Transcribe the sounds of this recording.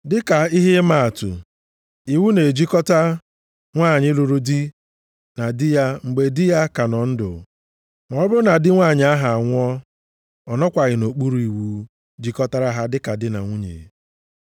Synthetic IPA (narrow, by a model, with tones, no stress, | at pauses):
dɪ˦ka˨i˦ɦɪ˦ma˦˨a˨tʊ̰˨ | i˨wu˦ne˨d͡ʒi˦kɔ˦ta˦ | ŋʷa˦˨ɲɪ˦lu˨ɾu˦di˦ | na˨dɪ˦ja˦ŋ͡m̩˨ɡ͡be˨dɪ˦ja˦ka˨nɔ˨n̩˦dʊ̰˨ | nɔ˨˦bʊ˦na˨dɪ˦ŋʷa˦˨ɲɪ˨˦a˦ɦa˨a˨ŋʷ˦ɔ˦ | ɔ˨nɔ˦kʷa˨ɣɪ˨no˨k͡pu˦ɾu˨i˨wu˦ | d͡ʒi˦kɔ˦ta˦ɾa˦ɦa˦dɪ˦ka˨dɪ˦na̰˨ŋʷu˦ɲḛ˨